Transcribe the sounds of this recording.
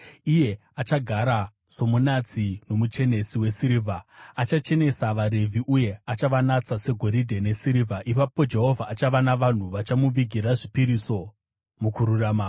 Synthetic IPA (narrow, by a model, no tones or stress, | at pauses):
ije̞ | at͡ʃaɡʱaɾa | so̞munat͡sino̞mut͡ʃe̞ne̞siwe̞siɾivʱaat͡ʃat͡ʃe̞ne̞saʋaɾe̞vʱiʔuje̞at͡ʃaʋanat͡sase̞ɡʱo̞ɾidʱe̞ne̞siɾivʱaʔipapo̞d͡ʒe̞ɦo̞vʱaːt͡ʃaʋanaʋan̤uʋat͡ʃamuʋiɡʱiɾaʐipiɾiso̞ | mukuɾuraːma